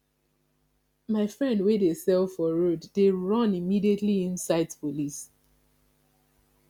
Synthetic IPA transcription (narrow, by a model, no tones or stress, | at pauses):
maɪfɹɛ̃ndwedesɛlˠfɔɹodːeɹʌ̃nimidietliĩnsaɪdpolis